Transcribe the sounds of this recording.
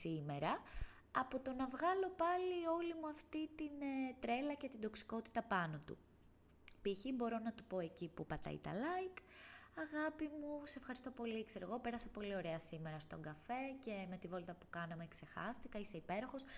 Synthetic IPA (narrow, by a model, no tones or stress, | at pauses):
sime̞ɾɐ | ɐpot̪o̞nɐvɣɐlo̞pɐlio̞limuɐft̪it̪int̪ɾe̞lɐce̞t̪ind̪o̞ksi̥ko̞t̪i̥t̪ɐpɐno̞t̪ṵ | piçibo̞ɾo̞nɐt̪upo̞e̞cipupɐt̪ɐ̰ḭt̪ɐ̰lɐjkɐɣɐpimusefxɐɾist̪o̞po̞likse̞ɾoɣo̞pe̞ɾɐsɐpo̞lio̞ɾe̞ɐsime̞ɾɐst̪o̞ŋɡɐfe̞ce̞me̞t̪ivo̞lt̪ɐpu̥kɐnɐme̞kse̞xɐ̰st̪ikɐise̞ipeɾo̞xo̞s